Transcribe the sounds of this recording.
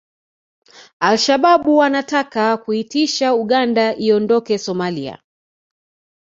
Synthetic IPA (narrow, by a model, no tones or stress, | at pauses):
alʃaɓaɓuwanatakakuitiʃauɠandaʔiɔndɔkɛsɔmalia̰